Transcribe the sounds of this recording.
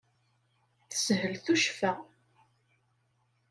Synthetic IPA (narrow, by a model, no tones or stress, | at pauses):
θə̥sɦəlθuʃfæ